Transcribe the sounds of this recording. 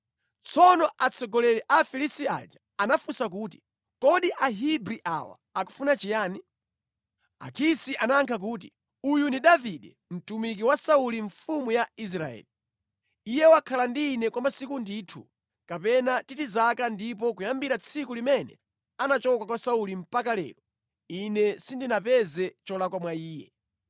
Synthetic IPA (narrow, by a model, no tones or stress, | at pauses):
t͡sʰɔnɔʔat͡sʰɔɡɔlɛɾɛʔafilistia̰d͡ʒḁ | anafusak̬uːti̥ | kɔɗiʔaɦibɾiʔa̰wa̰aku̥funat͡ʃijaːni | a̰kʰisiʔanaŋkʰak̬uːt̬i | ujundiɗaviɗɛ | m̩tumik̬iwasauliɱfumujais̬ɾaɛ̰ːli | ijɛwakʰalandinɛkwamasikundiːtʰṵ | kapɛnatitizakandip̬ɔk̬ujambiɾat͡sʰikulimɛnɛ̰ | anat͡ʃɔkwakwasaulim̩pakalɛ̰ːɾɔ | inɛsindinapɛzɛt͡ʃɔlakwamwaiːjɛ